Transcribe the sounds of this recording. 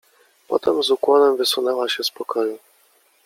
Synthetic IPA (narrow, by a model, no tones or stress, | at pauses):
pɔ̰t̪ɛmzukwɔlɛmvɘsunɛwaɕɛspɔkʰɔju